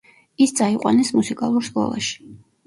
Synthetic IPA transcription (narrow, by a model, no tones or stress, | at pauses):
ist̪sʼaiqʼwa̰nɛsmusikʼalˠuɾskʼɔ̰lˠa̰ʃi̥